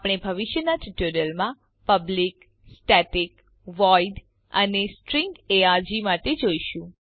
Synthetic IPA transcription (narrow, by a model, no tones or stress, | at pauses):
pɽ̃ebʱəʋɪʃjənaʈiʈuɾijəlmã | pəblik | sʈɛʈik | ʋɔiɖ | ə̰nesʈɾĩŋɡeaɾd͡ʒimãted͡ʒoiʃũ